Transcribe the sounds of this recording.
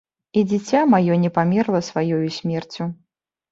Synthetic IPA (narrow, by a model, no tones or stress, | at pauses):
id͡zʲit͡sʲamajɔnʲɛpamʲɛrlˠɐsvajɔjusʲmʲɛrt͡sʲu